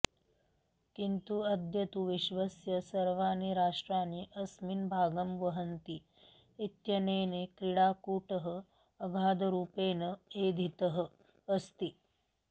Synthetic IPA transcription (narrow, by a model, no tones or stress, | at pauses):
kint̪uɐd̪ʱjɐt̪uʋiʃʋɐsjɐsɐɾʋaːniɾaːʂʈɾaːniʔɐsminbʱaːɡɐmʋɐɦɐnt̪iː | t̪jɐneːnekɾiɽaːkuːʈɐɦə | ɐɡʱaːd̪ɐɾuːpeːnɐeːd̪ʱit̪ɐɦə̆ː | st̪i